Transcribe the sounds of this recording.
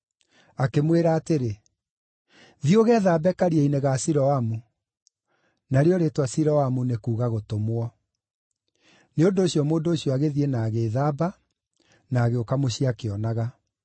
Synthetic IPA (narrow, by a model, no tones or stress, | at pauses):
akemweɾaːteɾe | ðioɣɛːðaːbɛkaɾiɛineɣasiɾɔamu | naɾeɔɾetwasiɾɔamunekuːɣaɣotomwɔ | neondoːɕiɔmoːndoːɕjɔaɣeðienaːɣeːðaːba | naːɣeokamoɕiakeɔnaɣa